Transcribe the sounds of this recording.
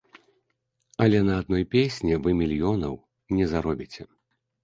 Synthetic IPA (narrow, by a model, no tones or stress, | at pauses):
ɐlʲɛnɐːd̪̚nɔjpʲesʲnʲivɨmʲilʲjɔnɐw | nʲɛzaɾɔbʲit͡sʲɛ